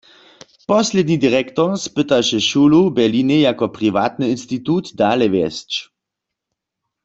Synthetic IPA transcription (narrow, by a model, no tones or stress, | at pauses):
pɔslɛd̪nid̪iʁɛkt̪ɔʁspɪt̪aʃɛʃulubɛlinejakɔpʁiʋaːt̪nɨinst̪it̪ut̪d̪aːlɛʋjɛst͡ʃ